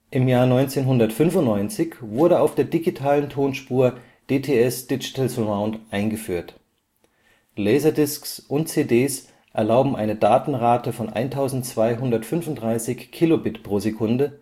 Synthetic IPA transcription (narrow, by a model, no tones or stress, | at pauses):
ʔɪmjaːɐnɔʏnt͡seːnɦʊndɐtfʏnfʊntnɔʏnt͡sɪçv̥ʊɐɾəaʊfd̥eːɐdiɡitʰaːləntʰoːnʃpuːɐ | d̥eːtʰeːɛsd̥ɪd͡ʒi̥tʰalsəmaʊ̃ntʔaɪnɡəfyːɐt | lɛɪzɐdɪsksʔʊntt͡seːdeːs | ʔɛɐlaʊbm̩ʔaɪnədaːtn̩ʁaːtəfɔnʔa̰ɪntʰaʊzn̩tt͡sv̥aɪɦʊndɐtfʏnvʊntd̥ʁaɪsɪçkʰːilobɪtpʁ̥oːzekʰʊndə